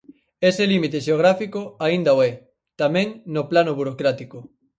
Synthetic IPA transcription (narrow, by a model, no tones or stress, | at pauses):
eselimit̪eʃeoɣ̞ɾafikoaind̪aoɛ | t̪amɛ̃ŋnoplanoβuɾokɾat̪iko